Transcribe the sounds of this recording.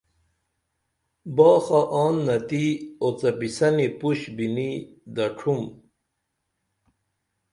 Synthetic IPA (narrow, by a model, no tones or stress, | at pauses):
bɑːxaʔɑːnːɐt̪iot͡sɐpisɐnipuɕbini | d̪ɐʈ͡ʂʰum